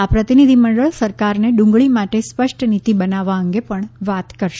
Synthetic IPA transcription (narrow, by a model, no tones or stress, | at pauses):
apɾət̪inid̪ʱiməɳɖəɭsəɾkaɾneɖũŋɡɭimaʈespəʂʈnit̪ibənaʋaəŋɡepəɳʋat̪kəɾʃe